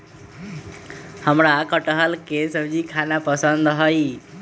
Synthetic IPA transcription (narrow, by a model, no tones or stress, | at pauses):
həmɾakəʈəɦəlkesəbd͡ʒikʰanapəsənd̪ɦəj